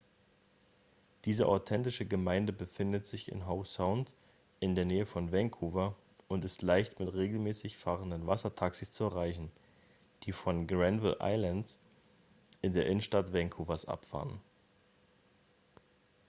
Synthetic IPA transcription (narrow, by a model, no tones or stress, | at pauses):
d̥iːzəʔa̰ʊtʰɛntɪʃəɡəmaɪndəbəfɪndətz̥ɪçɪ̰nɦaʊsaʊnt | ʔɪndeːɐneːəfɔnvɛŋkʰuːvɐ | ʊntɪstlaɪçtmɪtʁeːɡl̩mɛːsɪçfaːʁəndənvasɐtʰaksist͡suɛɐʁaɪçn̩ | d̥iːfɔnɡʁɛnvɪlʔa̰ɪlans | ʔɪndeːɐʔɪnənʃtatv̥ɛŋkʰuːvɐsʔa̰pfa̰ːnən